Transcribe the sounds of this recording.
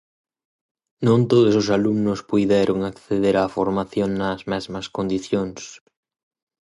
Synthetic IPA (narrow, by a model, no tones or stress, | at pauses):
nõnt̪oðosos̬alumnʊspujðɛɾʔoŋakθeðeɾafoɾmaθjoŋnazmɛzmɐskond̪iθjoŋs